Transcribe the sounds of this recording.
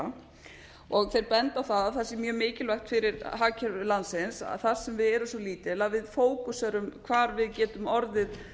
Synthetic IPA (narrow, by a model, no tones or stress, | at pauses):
ɔɣθejɾpɛnt̪aθaðaθɛsːɪmjœːmɪːcɪlvaxt̪fɪɾɪɾɦaːcʰɛɾlansɪnsa̰θar̥sɛmvɪðɛɾʏsɔliːt̪ɪlavɪðfoːwkusɛɾʏmkʰvaːɾvɪðcɛːt̪ʏmɔɾðɪð